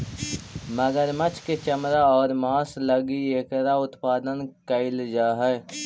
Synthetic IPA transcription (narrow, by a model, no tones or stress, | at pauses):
məɡəɾmət͡ʃʰket͡ʃəmɾaɔːɾmaːsləɡieːkɾaʊt̪paːd̪ənkəɪld͡ʒaːɦɛː